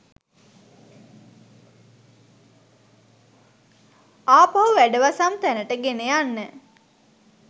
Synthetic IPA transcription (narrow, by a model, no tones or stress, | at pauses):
aːpaɦuʋæɖəʋasamt̪ænəʈəɡenejanːə